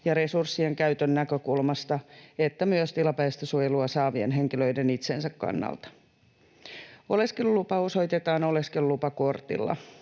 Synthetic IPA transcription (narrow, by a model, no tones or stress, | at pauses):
jɑɾe̞sursːieŋkæyt̪ønːækøkulmɑst̪ɑet̪ːæmyøst̪ilɑpæːst̪øsujeluɑsɑːʋienɦe̞ŋkiløjdenit̪sensækkɑ̰nːɑ̰lt̪ɑ̥ | o̞le̞skellːupɑo̞so̞jt̪et̪ɑːno̞le̞skellupɑko̞rt̪ḭlːɑ̰